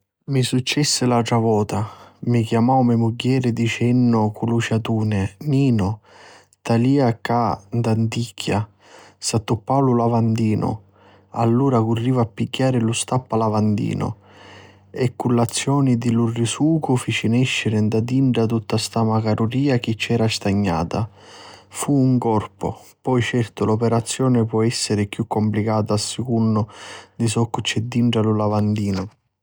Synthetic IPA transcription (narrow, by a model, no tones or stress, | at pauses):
misut͡ʃːɛsːɪlaʈɾavɔːt̪amikjamawmɛmuɡːɛːɾɪd̪it͡ʃɛnːʊkulut͡ʃat̪uːnɪniːnʊ | t̪aliːakand̪ant̪ikʰːja | sat̪ːupːawlʊlavand̪iːnʊ̰ | a̰lːuːɾakʊrːiːvapːiɡːaːɾɪlʊst̪apːalavand̪ḭːnʊ̰ | ɛkːulːat̪sːjɔːnid̪ilurːisuːkʊfit͡ʃinɛʃːɪɾɪnd̪ad̪iɳɖat̪ut̪ːast̪amakaɾuɾiːak̟it͡ʃːɛːɾast̪aɲːa̰ːt̪a | fuuŋkɔrpʊ̰pɔjt͡ʃɛrt̪ʊlɔpɛɾat̪sːjɔːnɪpwɔɛsːɪɾɪkjukːomplikaːt̪aːsːɪkunːʊd̪isɔkːʊt͡ʃːɛd̪ːiɳʈalulavand̪iːnʊ